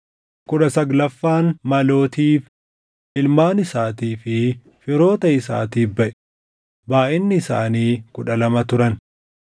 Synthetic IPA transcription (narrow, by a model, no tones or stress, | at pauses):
kʊᶑɐsɐɡlɐfːaːnmɐlo̞ːt̪iːf | ʔɪlmaːnɪsaːt̪iːfɪ | fɪɾo̞ːt̪ɐɪsa̰ːt̪iːfbɐʔɛ̥ | baːʔɪnːɪːsa̰ːniːkʊᶑɐlɐmɐt̪ʊɾɐn